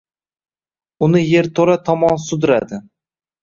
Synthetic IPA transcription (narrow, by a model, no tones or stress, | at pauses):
ʊnɪje̞ɾt̪ʰoɾat̪ʰɒmɒnsʊd̪ɪɾad̪ɪ